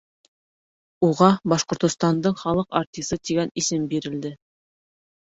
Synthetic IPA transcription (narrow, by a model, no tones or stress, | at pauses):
uʁɑbɑʃqŏɾt̪ŏst̪ɑnd̪ɤɴχɑlˠɤqaɾt̪ʲisɤt̪iɡænisɘmbiɾɘ̆ld̪ɘ